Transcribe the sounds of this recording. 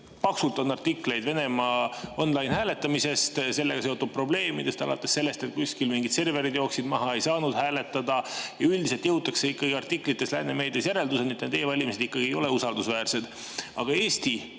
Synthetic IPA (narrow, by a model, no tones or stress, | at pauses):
pɑksult̪ˑo̞nːɑrt̪ikle̞jd̪ve̞ne̞mɑo̞nːlɑjnhæːle̞t̪ːˑɑmise̞st̪se̞lːe̞ɡ̥ɑse̞ot̪ud̥̪̚pro̞ble̞ːmid̪̥e̞st̪ɑ̰lɑ̰t̪ːˑe̞sːe̞lːe̞st̪e̞t̪̚kusʲkilmiŋɡid̪se̞rve̞ɾid̪jo̞ːksid̪mɑɦɑe̞jsɑːnud̪̥hæːle̞t̪ːˑɑd̪ɑjɑylʲd̪ise̞lt̪jɤuwt̪ːˑɑkse̞ikːɑɡiɑrt̪ikːˑlit̪ˑːe̞slæːneme̞ːd̪esjæɾe̞ld̪useniet̪ned̪ejevɑlʲimise̞d̪̥ikːɑɡ̥ie̞jo̞le̞usɑld̪usvæːrse̞d̪̥ | ɑɡ̥ɑe̞ːst̪i